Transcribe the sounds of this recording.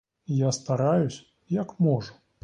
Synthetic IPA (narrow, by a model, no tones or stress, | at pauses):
jast̪aɾajusʲ | jɐkmɔʐu